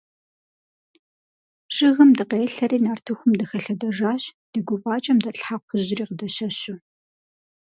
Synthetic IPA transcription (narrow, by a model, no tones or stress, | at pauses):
ʂʼɪɣɨmdɨqeːɬɐɾiːnaːrtʰɨxʷʊmdɨxɐɬɐdɐʐaːɕd̥ɨɡʷʊvaːt͡ʃʼɐmdɐɬħaqʷʰʊʑɪriːqədɐɕɐɕʊ